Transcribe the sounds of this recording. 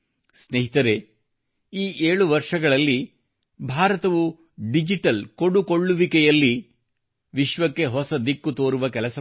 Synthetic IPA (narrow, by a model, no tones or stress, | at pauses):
sneɦit̪ɐɾe̞ | iːʔeːɭuʋɐɾʂɐɡɐɭɐlːi | bʱaːɾɐt̪ɐʋu | ɖid͡ʒiʈɐlkoɽukoɭːuʋikɛjɐlːi | ʋiʃʋɐkːe̞ɦɔsɐd̪ikːut̪o̞ːɾuʋɐkɛlɐsɐ